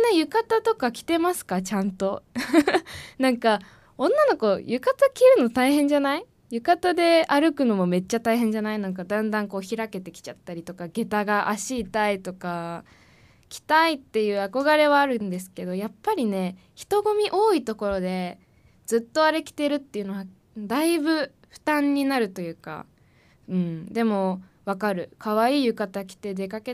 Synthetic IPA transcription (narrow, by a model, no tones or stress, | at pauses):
nejɯ̟kat̪at̪o̞kakʲi̥t̪e̞masɨ̥kat͡ɕãnt̪o̞ | nãŋka | õ̞nːano̞ko̞jɯkat̪akʲiːɾɯ̟no̞t̪aihẽ̞ɲ̟d͡ʑanai | jɯ̟kat̪ad̪e̞aɾɯ̟kɯ̟no̞mo̞me̞t͡ɕːat̪aiɦẽ̞ɲ̟d͡ʑanainãŋk̬ad̪ãnd̪ãŋko̞ːçiɾake̞t̪e̞kʲi̥t͡ɕat̪ːaɾʲit̪o̞kaɡe̞t̪aɡaʔaɕiːt̪ait̪o̞ka | kʲi̥t̪ait̪ːe̞jɯ̟ːako̞ɡaɾe̞βaːɾɯ̟̃nd̪e̞sɨ̥ke̞d̪o̞japːaɾʲine̞ | çi̥t̪o̞ɡo̞mʲiʔo̞ːit̪o̞ko̞ɾo̞d̪e̞ | d͡zɨt̪ːo̞aɾe̞kʲi̥t̪e̞ɾɯ̟t̪ːe̞jɯ̟no̞βa | d̪aibɯ̟ | ɸɯ̟̥t̪ãɲ̟ːinaɾɯ̟t̪o̞jɯ̟ːka̰ | ɯ̟̃ɴd̪e̞mo̞βakaɾɯ̟kʰaβ̞aiːjɯ̟kat̪akʲi̥t̪e̞d̪e̞kake